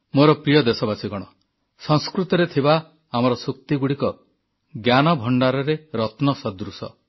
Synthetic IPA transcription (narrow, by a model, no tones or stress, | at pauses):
moɾɔpɾijɔd̪esɔbasʰiɡɔɽ̃ɔ | sɔŋskɾut̪ɔɾet̪ʰiba | amɔɾɔsuk̚t̪iɡuɽikɔ | ɡjanɔbʱɔɳɖaɾɔɾeɾɔt̪nɔsɔd̪ɾusɔ̰